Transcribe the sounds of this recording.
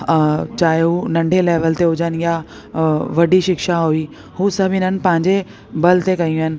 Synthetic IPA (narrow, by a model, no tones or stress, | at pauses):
t͡ɕaːɦeɦunɐ̃ɳɖʱeleːʋəlt̪eɦʊd͡ʑənja | ʋɐɖiʃɪkʃaɦuiː | husɐbʱɪnənɪ̆pɐ̃ɦɪ̃ɲd͡ʑe | bɐlt̪ekɐĩũɪnɪ̆